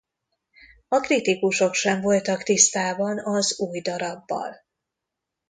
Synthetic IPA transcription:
ɒkrit̪ikuʃo̞kʃɛɱvo̞lt̪ɒkt̪ist̪aːbɒnɒzuːjd̪ɒɾɒbːɒ̰l

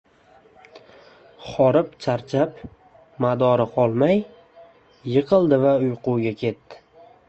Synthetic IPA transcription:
χɒɾɪpt͡ʃʰaɾt͡ʃʰap | mad̪ɒɾɪqʰɒlˠmajː | ɨqʰɨlˠd̪ɪvaʊjquwɡʲakʲʰe̞t̪ːɪ̥

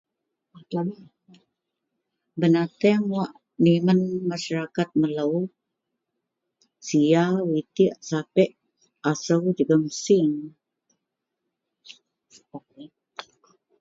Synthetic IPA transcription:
bənat̪ɛŋwaʔ | nimənmaʃaɾakat̪̚mələw | siawit̪isapɛʔ | asəwd͡ʒəɡəmsiŋ

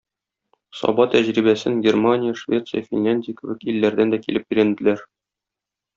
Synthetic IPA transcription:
sɒ̰bɑt̪æʑɾibæsɘŋɡʲermanʲɪjəʃvʲe̞t̪sɨjəfʲinlʲænʲdʲɪjəkɘ̆bɘkilːæɾd̪ænd̪ækilɘp̚biɾænd̪ɘ̆læɾ

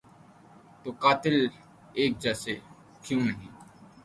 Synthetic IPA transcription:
t̪oːkaːt̪ɪl | eːk̚d͡ʒɛːse | kjũmɐniː

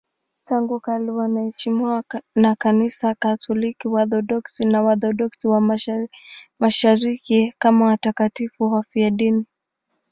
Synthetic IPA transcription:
taŋɡukaliwanaɛʃimiwanakanisakatʰɔlikiwaθɔɗɔksinawaθɔɗɔksiwa | maʃaɾikikamawatakatifuɦafiaɗini

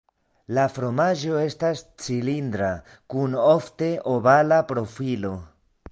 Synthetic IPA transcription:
lafɾo̞maʒo̞e̞stast͡silindɾa | kuno̞fte̞ʔobalapɾo̞filo̞

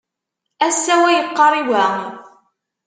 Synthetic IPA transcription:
æsːæwæjəqːɑɾˤiwæ

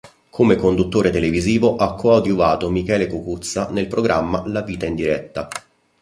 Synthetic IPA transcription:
kʰomekond̪ut̪ːoːɾet̪eleviziːvoʔakʰːoawd̪juvaːt̪omikɛːlekukut̪sːanelpɾoɡɾʔamːalaviːt̪aind̪iɾɛt̪ːa

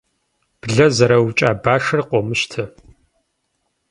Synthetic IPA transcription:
b̥ɮɐzɐɾɐwt͡ʃʼaːbaːʂɐrqʷʼɔmɨʃtʰɨ

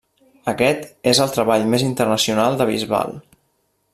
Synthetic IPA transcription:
əkɛt̪ezəlˠt̪ɾəβaʎmezint̪ərnəsiunalˠd̪əβ̞ḭzβa̰lˠ

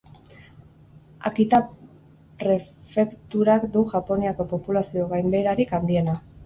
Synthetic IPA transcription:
a̰kit̪a | pɾe̞fe̞kt̪uɾakd̪uʝapo̞niako̞po̞pulasio̞ɣajmbe̞jɾaɾikand̪ie̞na

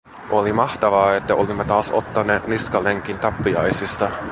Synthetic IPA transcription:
o̞limɑht̪ɑʋɑːet̪ːæʔolimːet̪ɑːso̞̰t̪ːɑneːt̪niskɑleŋk̟int̪ɑpːiɑ̰jsist̪ɑ

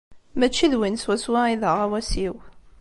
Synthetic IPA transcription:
mæt͡ʃːiðwinswæswæiðəʁæwæsiw

